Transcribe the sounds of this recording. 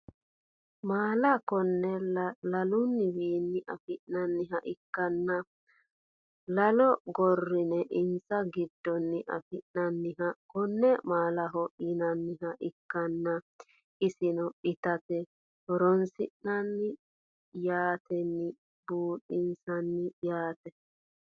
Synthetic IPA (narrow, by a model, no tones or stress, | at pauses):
maːlɐkɔnːɛlɐlʊnːɪwiːnːɪʔɐfɪʔnɐnːɪɦɐʔɪkːɐnːɐ | lɐlɔɡɔrːɪnɛʔɪnsɐɡɪd̪ːɔnːɪʔɐ̰fɪʔnɐnːɪɦɐkɔnːɛmaːlɐɦɔʔɪnɐnːɪɦɐʔɪkːɐnːɐ | ɪsɪnɔɪt̪ɐt̪ɛ | hɔɾɔnsɪʔnɐnːɪ | jaːt̪ʰɛnːɪ | buːɗɪnsɐnːɪjaːt̪ɛ